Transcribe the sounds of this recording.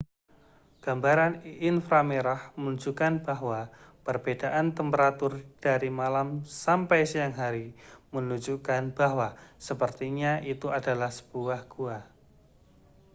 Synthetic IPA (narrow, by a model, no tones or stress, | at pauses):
ɡ̥ambaɾaninfɾameɾahmənud͡ʒukanbaɦwapərbedaʔant̪əmpəɾat̪ʊrd̥aɾimalamsampajsijaŋɦaɾimənud͡ʒukanb̥aɦwasəpərt̪iɲait̪uadalahsə̥b̥uahɡ̥ua